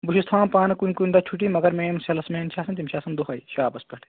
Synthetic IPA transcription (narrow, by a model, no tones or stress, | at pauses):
buʃist̪ʰãːnpaːnɐkunʲkunʲd̪at͡ʃʰuʈimɐɡɐɾmeːmsɐlɐsmẽːnt͡ʃʰaːsɐnt̪̬imʃʰaːsɐnd̪uɦɐiʃaːbɐspʲɐʈʰ